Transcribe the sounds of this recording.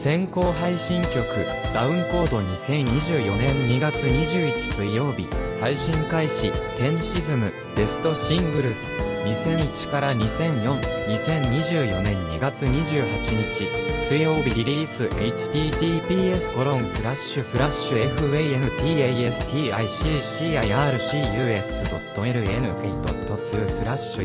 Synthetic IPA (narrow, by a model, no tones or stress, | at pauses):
sẽ̞ŋko̞ːɦaiɕĩŋkʲo̞kɯ̟̰ | d̪̥aɯ̟̃ŋko̞ːd̪o̞ɲ̟isẽ̞ɲɲiʑɨːjo̞nẽ̞ɲiɡat͡sɨɲ̟iʑɨːit͡ɕi̥sɨijo̞ːbʲḭhaiɕĩŋkaiɕik̪ẽ̞ɰ̃ɕizɨmɯ̟ | d̪̥e̞sɨ̥t̪o̞ɕĩŋɡɯ̟ɾɯ̟sɨ̥ɲ̟isẽ̞ɰ̃it͡ɕi̥kaɾaɲ̟isẽ̞ɲ̃jõ̞nɲʲisẽ̞ɲɲʲiʑɨːjo̞nẽ̞ɲɲḭɡat͡sɨɲ̟iʑɨːhat͡ɕiɲ̟it͡ɕisɨijo̞ːbʲiɾʲiɾʲiːsɨʔe̞it͡ɕi̥t̪ʲiːt̪ʲiːpʲiːe̞sɨ̥ko̞ɾõ̞ɰ̃sɨɾaɕːɨsɨɾaɕːɨeɸɯ̟eienɯ̟t̪ʲiːee̞sɨ̥t̪ʲiːaiɕiːɕiːaiaːɾɯ̟ɕiːjɯːe̞sɨd̪o̞̰t̪ːo̞e̞ɾɯ̟e̞̰nɯ̟ɸit̪o̰t̪ːo̞t͡sɨːsɨɾaɕːɨ